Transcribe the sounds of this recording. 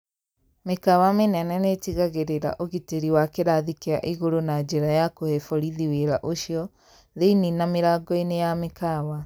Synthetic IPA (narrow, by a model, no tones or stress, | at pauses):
mekawamenɛnɛnetiɣaɣeɾeɾa̰ʔoɣiteɾiwakeɾaðikea̰ʔiɣoɾonad͡ʒeɾajakohefɔɾiðiweɾaʔoʃiɔ | ðeininameɾaːɡɔinejamekawa